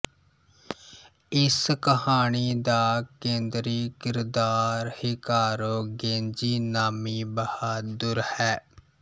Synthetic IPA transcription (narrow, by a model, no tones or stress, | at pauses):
ɪskəhaːɳiːd̪aːkẽːnd̪ɾiːkɪɾd̪aːɾhɪkaːɾoːɡẽːnd͡ʒiːnaːmiːbəhaːd̪ʊɾhɛː